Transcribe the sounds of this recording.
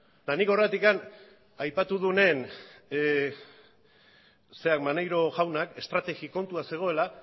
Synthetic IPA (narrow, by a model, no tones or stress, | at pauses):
laniko̞ret̪ikan | ajpat̪uðune̞n | se̞akmanejɾo̞ɣawnake̞st̪ɾat̪e̞ɣiko̞nt̪uase̞ɣ̞o̞e̞la